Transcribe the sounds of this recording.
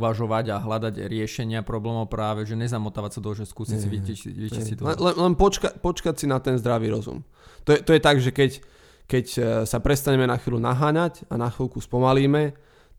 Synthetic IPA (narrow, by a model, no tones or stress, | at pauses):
ʋaʒɔʋaɟaɦlad̪aɟɾɪɛʃɛɲɪapɾɔblɛːmɔʊpɾaːʋɛʒɛɲɛzamɔt̪aːʋasad̪ɔʒɛskuːsisiʋiiʋiisit̪ɛlɛnlɛnpɔt͡ʃkacpɔt͡ʃkacsinat̪ɛnzd̪ɾaʋiːɾɔzṵm | t̪ɔjɛt̪ɔjɛt̪aɡʒɛkɛc | kɛcsapɾɛst̪aɲɛmɛnaxʋiːlʲunaɦaːɲacanaxʋiːlkuspɔmaliːmɛ